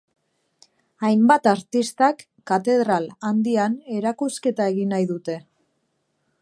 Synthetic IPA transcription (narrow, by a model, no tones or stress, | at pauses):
ajmbat̪aɾt̪ist̪akːat̪e̞ðɾaland̪iane̞ɾakuske̞t̪ae̞ɣinajðut̪e̞